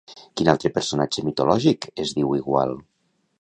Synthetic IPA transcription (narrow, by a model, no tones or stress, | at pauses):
kina̰lˠt̪ɾepeɾsonat͡ʃemit̪olɔʒikezðiwiɣwa̰lˠ